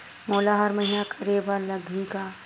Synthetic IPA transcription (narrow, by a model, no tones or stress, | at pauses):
moːlaɦɐɾmɐɦinakʰɐɾebalɐɡʱĩka